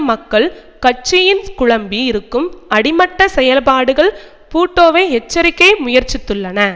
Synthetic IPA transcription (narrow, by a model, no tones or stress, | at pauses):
mɐkːɐɭ | kɐt͡ʃːɪjɪnkʊɭɐmbiɪɾɯkːɯmɐɽɪmɐʈːɐsɛjɐlpaːɽɯɣɐɭ | puːʈːoːʋɐɪɛt͡ʃːɐɾɪkːɐɪmʊjɐɾt͡ʃɪt̪ːɯɭːɐnɐ